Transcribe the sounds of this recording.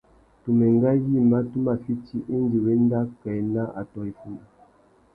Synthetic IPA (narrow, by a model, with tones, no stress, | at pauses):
tu˨mɛ˨ŋ˦ɡa˦ji˦˨ma˦tu˦ma˨fi˦ti˦ʔe˦n˦di˨we˦n˦da˦kɛ˨˦na˦ʔa̰˨tɔ˨i˨fu˨